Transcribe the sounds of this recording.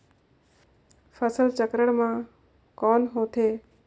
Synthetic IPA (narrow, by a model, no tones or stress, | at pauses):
fʰəsəlt͡ʃəkɾəɳmã | kɔːnɦoːt̪ʰeː